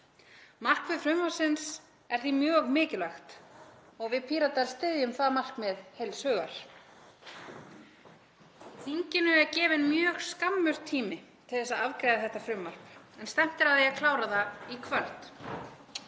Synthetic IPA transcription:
mar̥kvɪðfɾʏmvḁsɪns | ɛɾ̥θimjœːɣmɪːcɪlaxt̪ɔɣvɪðpʰiːɾat̪aɾ̥st̪ɪðjʏmθaðmar̥kmɛðhejlshœːɣa̰ɾ̥ | θiɲcɪnʏɛɾcɛːvɪnmjœːɣskamːʏr̥t̪ʰːiːmɪt̪ʰɪlθɛsːaðavkɾejðaθɛht̪afɾʏmvar̥pɛnst̪ɛm̥t̪ɪɾaðɛakʰlaːwɾaðaikʰval̥t̪

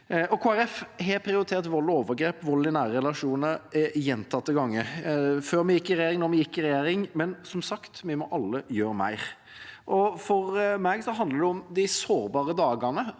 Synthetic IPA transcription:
ɔkʰoːæɾɛfɦɛpʰɾɪʊɾɪt̪ʰeːɾt̪ʋɔlːoːʋəɾɡɾeːpʋɔlːɪnæːɾəɾɛlɑʂuːnəɾɛjɛnt̪ʰɑt̪ːəɡɑŋːəføːɾmɛjɪkːɪɾɛjeːɾɪŋnɔɾmɛjɪkːɪɾɛjeːɾɪŋmɛnsɔmsɑkt̪mɛmɔʔɑlːəjøːɾəmæ̰ɪɾ | ʔɔfɔɾmɛːɡsɔɦɑnd̪əd̪ɛɔmd̪ɪsoːɾbɑːɾəd̪ɑːɡɑnə

